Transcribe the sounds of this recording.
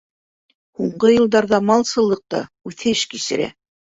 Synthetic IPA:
huɴɢɤjɤ̆lˠd̪ɑɾðɑmɑlˠsɤ̆lˠːɤq̚t̪ɑ̰ | ʉθɘʃkisɘ̆ɾæ̰

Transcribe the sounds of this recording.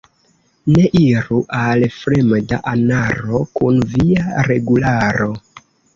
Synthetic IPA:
ne̞ʔiɾuʔalfɾemda̰ʔanaɾo̞kunviaɾe̞ɡulaɾo̞

